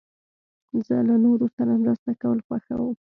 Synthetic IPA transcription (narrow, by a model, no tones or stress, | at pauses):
zə̰lanoɾosanamɾəst̪akawəlxwaxa̰wəm